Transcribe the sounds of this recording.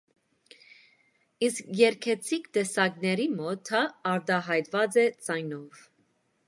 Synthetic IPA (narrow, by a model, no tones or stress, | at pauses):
iskjɛɾkʰɛt͡sʰikt̪ɛsɑɡnɛɾimɔt̪ʰːɑːɾt̪ɑɦɑjt̪vɑt͡sɛt͡sɑjnɔv